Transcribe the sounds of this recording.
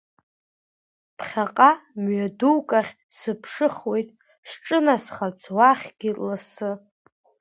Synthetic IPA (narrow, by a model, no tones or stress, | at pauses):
pʰχʲaqʼamɥaduwkʼaχʲ | sɨpʰʂɨχwe̞jtʼ | sʈ͡ʂʼɨnasχat͡sʰwaχʲɡ̥ʲilasɨ